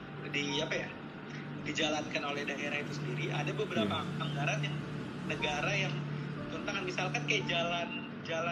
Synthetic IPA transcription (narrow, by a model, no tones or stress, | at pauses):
diapaja | did͡ʒalankanolɛhdaʔeɾahit̪usəndiɾia̰dabəbəɾapapaŋɡaɾanjaŋ | nəɡaɾajaŋt̪ɔnt̪aŋanmisalkankajad͡ʒalan | d͡ʒala